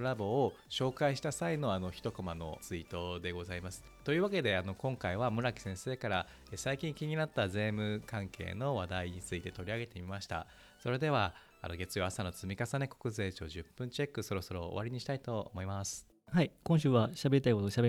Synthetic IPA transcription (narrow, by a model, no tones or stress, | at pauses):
ɾabo̞ː | ɕo̞ːkaiɕi̥t̪asaino̞ano̞çi̥t̪o̞komano̞̰t͡sɨit̪o̞d̪e̞ɡo̞zaimasɨ̥t̪o̞jɯ̟ːβake̞d̪e̞ano̞kõ̞ŋkaiβamɯ̟ɾakʲi̥sẽ̞ɰ̃se̞ːkaɾa | esaikʲĩŋkʲiɲ̟inat̪ːaze̞ːmɯ̟kãŋkʰe̞̰ːno̞βad̪aiɲ̟it͡sɨit̪e̞t̪o̞ɾʲiaɡe̞t̪e̞mʲimaɕi̥t̪a̰ | so̞ɾe̞d̪e̞βa | a̰no̞ɡe̞t͡sɨjo̞asano̞t͡sɨmʲikasane̞ko̞̥kɯ̟ze̞ːt͡ɕo̞ːʑɨpːɯ̟̃ɲ̟t͡ɕe̞kːɯ̟so̞ɾo̞so̞ɾo̞o̰βaɾʲiɲ̟iɕi̥t̪ait̪o̞̰ːmo̞imasɨ̥ | haikõɕ̬ɨːβaɕabe̞ɾʲit̪aikot̪oɕabe